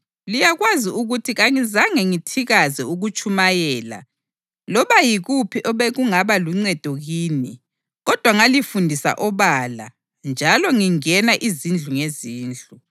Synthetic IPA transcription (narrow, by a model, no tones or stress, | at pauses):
lijaɣwaziuɣutʰiɣaŋizaŋɛŋitʰiɣazɛuɣut͡ʃʼumajɛːla̰ | lɔβajiɣupʰiʔɔβeɣuŋaβaluŋ͡ǀɛd̥ʱɔɣiːni | ɣɔd̥ʱwaŋalifundʱisa̰ʔɔβala̰ | nd͡ʒʱalɔŋiŋɛnaʔizind͡ɮʱuŋeziːnd͡ɮʱu